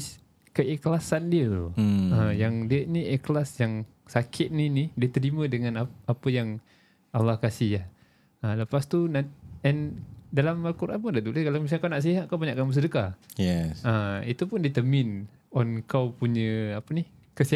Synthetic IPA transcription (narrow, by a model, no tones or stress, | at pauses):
s | kəʔɛklasandiə̰əjaŋdəniʔɛklasjaŋ | sakʰɪt̪̚ninidit̪əɾimə̃dəŋãnaapəjaŋ | alːɑhkasiɦjah | ələpast̪unaɛndalamalkuɾʔanpədad̪uləkalawmisakawnaʔs̬iɦat̪̚kawbaɲaʔkanmbəs̬ədəkajɛəit̪upʊndit̪əmɪn | ɔnkawpuɲəapənih | kəsi